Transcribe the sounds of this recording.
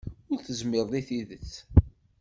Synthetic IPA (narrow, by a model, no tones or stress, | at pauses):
ʊɾθəzmɪðˤðiθiðət͡sː